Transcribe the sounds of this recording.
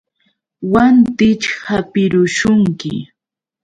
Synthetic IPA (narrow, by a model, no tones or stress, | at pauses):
want̪ɪt͡ʃhapɪɾʊʃʊŋkɪ̰